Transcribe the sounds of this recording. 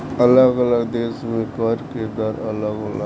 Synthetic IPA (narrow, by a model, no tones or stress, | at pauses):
ələɡələɡd̪eːsmẽkəɾkɪd̪əɾələɡələ